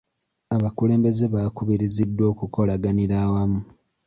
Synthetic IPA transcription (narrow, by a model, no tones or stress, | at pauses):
aβakule̞ːmbe̞ze̞βakuβiɾizidːo̞ːkuko̞laɡaniɾaːwamu